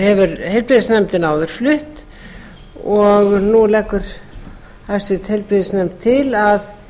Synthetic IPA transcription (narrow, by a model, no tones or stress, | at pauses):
hɛvʏɾhejlpɾɪðɪsnɛmt̪ɪnaːwðʏɾ̥flʏht̪ | ɔɣnulɛkːʏɾ̥ | hajst̪vɪt̪hejlpɾɪðɪsnɛmt̪ʰːɪlað